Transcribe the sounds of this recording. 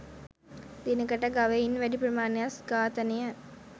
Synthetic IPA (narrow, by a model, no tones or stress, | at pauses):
d̪enəkəʈəɡaʋɐinʋæɖipɾɐmaːnejasɡaːt̪ənejɐ